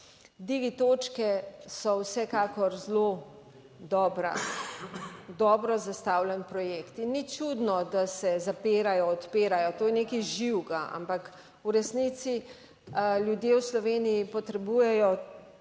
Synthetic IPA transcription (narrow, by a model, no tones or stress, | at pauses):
d̪iɡit̪oːt͡ʃkɛsɔwsɛkaːkɔɾzlo | d̪ɔːbɾa̰ | d̪ɔːbɾɔzast̪awlɛnpɾɔjeːkt̪inːit͡ʃud̪nɔd̪asɛzapeːɾajɔɔt̪peːɾajɔt̪oːjɛnekiʒiwɡaa̰mpak | uɾɛsnit̪si | ljud̪jewslɔʋeːniipɔt̪ɾɛbujɛjɔ